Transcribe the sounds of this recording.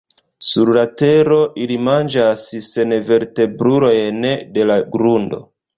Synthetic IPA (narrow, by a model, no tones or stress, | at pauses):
suɾlate̞ɾo̞ʔilimand͡ʒasse̞nve̞ɾte̞bɾuɾo̞jnede̞laɡɾundo̞̰